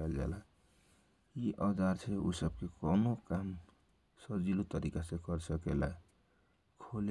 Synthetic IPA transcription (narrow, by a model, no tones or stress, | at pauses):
ald͡za̰la | iʔʌd̪ʱaɾt͡sʰeṵsʌb̚kekɔnokam | sʌd͡zilut̪ʌɾikasekʌɾsʌkelaj | kʰol